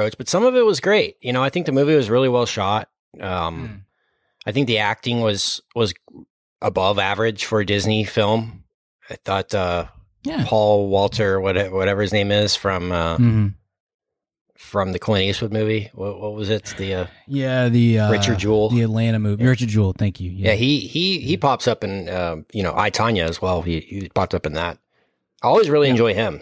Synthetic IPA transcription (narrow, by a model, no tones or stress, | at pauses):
oʊt͡ʃb̥ʌtsʌ̃mʌvɨt̚wʌzɡɹeɪt̚jɨñoʊaɪθɪ̃ŋk̚ðɨmʉviwʌzɹɪlˠiwɛlˠʃɑt̚ | ʔʌ̃m | ʔaɪθɪ̃ŋk̚ðiæk̚tɪ̃ŋwʌz̥wʌz | ʔəbʌvævə˞ɨd̥ʒ̥fə˞ɨdɪznifɪlˠm | aɪθɔtʌ | jæpʰɔlˠwɔlˠtʰə˞wʌɾɛwʌɾɛvə˞ɨznẽɪ̃mɪz̥fɹʌ̃mʌm̥̩ | fɹʌ̃mðɨkʰɪ̃ñiɨswʊd̚mʉviwʌtwʌt̚wʌzɪt̪̚ðiʌjæðiʌɹɪt͡ʃə˞d̚d͡ʒulˠðiɨtˡlæ̃ɾ̃ɨmʉviɹɪt͡ʃə˞dd͡ʒul̩ˠθæ̃ŋkjʉjjæihihipʰɑpsʌpɨ̃nʌjɨñoʊʔa̰ɪtʰɑ̃njɨːzwɛlˠiipʰɑp̚sʌpn̩ðæt̚ | aɪɔlˠwizɹɪlˠiɨ̃nd͡ʒɔɪɪ̃m